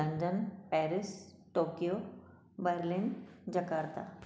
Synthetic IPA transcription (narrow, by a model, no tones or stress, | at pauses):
ɐnɖənpɛːɾɪsʈoːkijo | bəɾlɪnd͡ʒɐkaːɾt̪a̰